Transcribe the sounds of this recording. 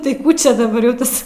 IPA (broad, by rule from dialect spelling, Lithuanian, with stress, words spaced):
tɐɪ ˈkuː t͡ʃʲɛ dɐˈbɐr jɛʊ ˈtɐs